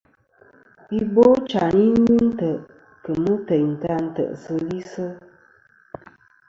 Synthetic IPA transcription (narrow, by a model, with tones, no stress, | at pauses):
i˦bo˦t͡ʃa˨ni˦ni˦n̩˦tə˨ʔ | kə˨mə˦tə˨n̩˨ta˦n̩˦tə̰˨ʔsə˧li˦sə˦